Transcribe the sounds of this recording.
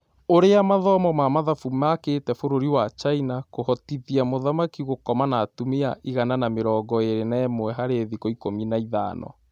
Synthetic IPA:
oɾeamaðɔmɔmamaðafumaketɛfoɾoɾiwat͡ʃainakohɔtiðiamoðamakiɣokɔmanatumea̰iɣananameɾɔːɡɔeɾenaɛmwɛɦaɾeðikoikominaiða̰ːnʔɔ̰

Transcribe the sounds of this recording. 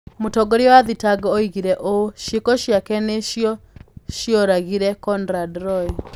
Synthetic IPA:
mutɔɡɔɾiɔwaðitaɡɔːiɣiɾɛʔoʃekɔʃjakɛneʃjɔʃjɔɾaɣiɾɛkɔndɾadɾɔi

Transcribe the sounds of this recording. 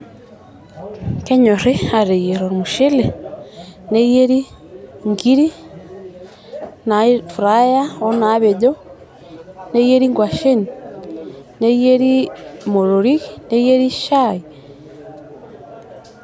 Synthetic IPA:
keɲoɾeaɾejeɾoɾmuʃele | nejeɾi | ŋɡiɾi | nafuɾajaonaβeɟo | nejeɾiŋɡwaʃeni | nejeɾimoɾoɾiɣinejeɾiʃai

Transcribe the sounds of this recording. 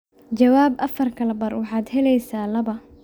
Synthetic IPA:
t͡ʃɐwaːbʔɐfɐrkʰɐlɐbɐrwɑħɑːd̪ɦɛlɛjsaːlɐβɐ

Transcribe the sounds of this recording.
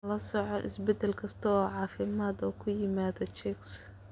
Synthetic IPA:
lɐsɔʕɔʔɪ̰sbɛd̪ɛlkʰɐst̪ʰɐɔːʕɑːfɪmaːd̪ɔkʰʊjɪmaːðɔt͡ʃɛks

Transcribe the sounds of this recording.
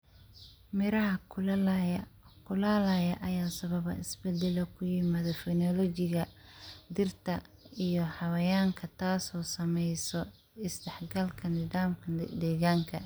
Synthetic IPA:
mɪɾɐɦɐ | kʰʊlaːlajɐʔɐjaːsɐβɐβɐ̰ʔɪsbɛd̪ɛlɔkʰʊjɪmaːðɐfɛnɔlɔt͡ʃɪɣɐd̪ɪrt̪ʰɐ | ijɔhɑwɐjaːŋkʰɐt̪ʰaːsɔːsɐmɛjsɔ | ɪsd̪ɛħɡɐlkʰɐnɪdaːmkʰɐd̪ɛːɣaːŋkʰɐ̰

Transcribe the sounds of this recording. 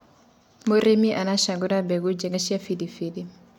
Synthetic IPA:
moɾemiʔanaʃaɡuɾabɛɡud͡ʒɛŋɡaʃiafidifidi

